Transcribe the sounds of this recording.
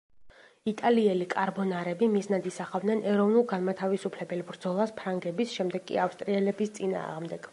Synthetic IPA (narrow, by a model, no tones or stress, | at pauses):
it̪ʼaliɛlikʼaɾbɔnaɾɛbimiznad̪isaχavd̪nɛnʔɛɾɔvnulˠɡanmat̪ʰavisupʰlɛbɛlbɾd̪zɔlˠaspʰɾaŋɡɛbisʃɛmd̪ɛɡkʼːḭafst̪ʼɾiɛlɛbist̪sʼina̰ːʁmd̪ɛɡ̥